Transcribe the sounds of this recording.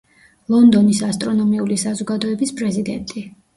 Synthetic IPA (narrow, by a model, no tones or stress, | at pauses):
lˠɔnd̪ɔnisast̪ʼɾɔnɔmiulisazɔɡad̪ɔɛbispʼɾɛzid̪ɛ̰nt̪ʼi